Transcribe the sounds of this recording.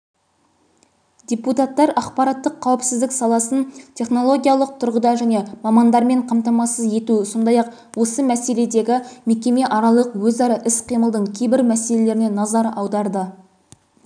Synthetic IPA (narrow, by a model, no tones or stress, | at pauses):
d̪ʲeput̪ɑt̪ːɑɾɑqpɑɾɑt̪ːəqʰːɑwəpsɪzd̪ɪksɑlˠɑsənt̪ʲʰe̞χno̞lˠo̞ɡʲijɑlˠəq̚t̪ʰʊɾʁəd̪ɑʒæne̞mɑmɑnd̪ɑɾme̞ɴqʰɑmt̪ɑmɑsəzje̞t̪uso̞nd̪ɑjɑq̚ | wo̞səmæse̞le̞d̪e̞ɡʲɪme̞kʲe̞me̞ʔɑɾɑlˠəqwɵzɑɾɑʔɪsqʰijməlˠd̪əɴkʲʰejbɪɾmæsele̞le̞ɾɪne̞nɑzɑɾʔɑwd̪ɑɾd̪ə